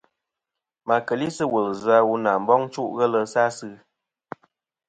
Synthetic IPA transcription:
ma˨kə˨li˦sə˦wə˨lza˧wu˧na˨m̩˦bɔ˦ŋ˦t͡ʃu˦ʔɣə˦lə˦sa˦sɨ˦

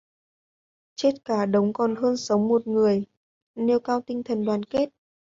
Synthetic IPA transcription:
t͡ɕe˦˥t̚kaː˧˩ɗə˨˦wŋ͡mkɔ˨˩nɦəː˧nsə˨˦wŋ͡mmo˨˩t̚ŋɨ˨˩əj | ne˧wkaː˧wt̪ï˧ŋt̪ʰə˨˩nɗwaː˨˦nke˦˥t̚

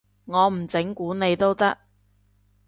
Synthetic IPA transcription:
ŋɔː˨˧m̩˨˩t͡sɪ˨˥ŋkuː˨˥ne˨˧jt̪o˥wt̪ɐ˥k̚

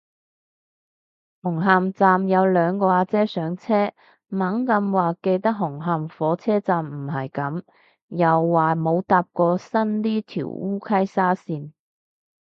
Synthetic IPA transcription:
hʊ˨˩ŋɦaː˨mt͡saː˨˧mjɐ˨˧wlœː˨˧ŋkɔː˧aː˧t͡sɛː˥sœː˨˥ŋt͡sʰɛː˥ | mɐ˨˥ŋkɐ˧mwaː˨ke˧jt̪ɐ˥k̚ɦʊ˨˩ŋɦaː˨mfɔː˨˥t͡sʰɛː˥t͡saː˨mm̩˨˩ɦɐ˨jkɐ˨˥m | jɐ˨wːaː˨˩mo˨˧wt̪aː˧p̚kɔː˧sɐ˥nt̪iː˥t̪ʰḭ˨˩wuː˥kʰɐ˥jsaː˥siː˧n

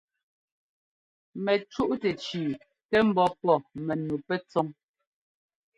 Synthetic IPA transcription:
mɛ˨t͡ʃu˦ʔtɛ˨t͡ʃiː˨ | tɛ˦m̩˦bɔ˦pɔ˦˨mɛ˨nu˨pɛ˦t͡sɔ˦ŋ

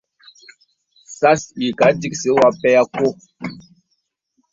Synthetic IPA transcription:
sa˦si˨ka˨˦di˦kse˨˦wa˨˦pɛ˦ja˦ko˦˨

